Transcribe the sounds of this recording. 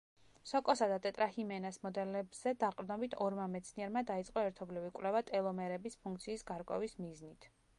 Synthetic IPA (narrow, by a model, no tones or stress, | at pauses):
sɔkʼɔsad̪at̪ʼɛt̪ʼɾahimɛnasmɔd̪ɛlɛbz̥ɛd̪aqʼɾd̪nɔbit̪ʰɔɾmamɛt̪sʰniɛɾmad̪ait̪sʼqʼɔɛɾt̪ʰɔblivikʼwlɛvat̪ʼɛlˠɔmɛɾɛbispʰuŋk̚ʰt̪sʰiːsɡaɾkʼwɛ̰vismiznit̪ʰ